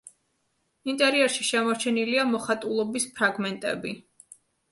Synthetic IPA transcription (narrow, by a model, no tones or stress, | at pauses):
int̪ʼɛɾiɛɾʃiʃɛmɔɾt͡ʃʰɛniliamɔχat̪ʼulˠɔbispʰɾaɡmɛnt̪ʼɛ̰bi